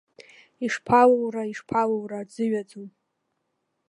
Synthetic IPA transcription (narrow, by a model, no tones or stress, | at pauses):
iʂpʰalowraiʂpʰalowrad͡zɨɥad͡zon